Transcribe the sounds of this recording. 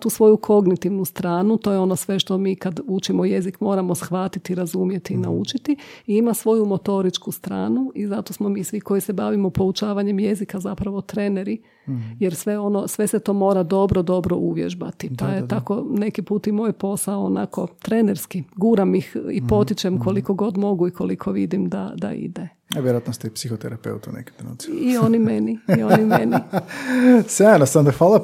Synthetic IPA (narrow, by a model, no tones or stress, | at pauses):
t̪uːsʋo̞jukʰo̞ɡnit̪iʋnust̪ɾaːnut̪o̞jeo̞no̞sʋe̞ʃt̪o̞miːkad̪ut͡ʃimojezikmo̞ːɾamo̞sxʋat̪it̪iɾazumje̞t̪iːnaut͡ʃit̪iiimasʋo̞jumo̞t̪o̞ɾit͡ʃkust̪ɾa̰ːnuizat̪o̞smo̞miːsʋiko̞jise̞baʋimopo̞ut͡ʃaːʋaɲe̞mje̞zikazapɾaʋo̞t̪ɾe̞ne̞ɾi | jeɾsʋe̞o̞no̞sʋe̞set̪o̞ːmo̞ːɾad̪o̞bɾo̞d̪o̞bɾo̞ʔuʋjeʒba̰t̪ipajet̪ako̞ne̞kipuːt̪imo̞jpo̞saoːna̰ko̞t̪ɾeneɾskiɡuːɾamixipo̞t̪it͡ʃemkʰo̞liko̞ɡo̞d̪mo̞ɡuikʰo̞likʰoʋid̪imd̪a̰d̪a̰ḭd̪e | aʋjeɾoat̪nost̪epsixot̪ḛɾapḛut̪ṵnḛke̥eno̰nsio̞nimeniionimeni | sanosand̪axʋaːlˠa